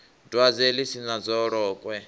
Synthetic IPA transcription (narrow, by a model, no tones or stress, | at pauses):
dwad͡zɛlisinad͡zɔɾɔːkʼwɛ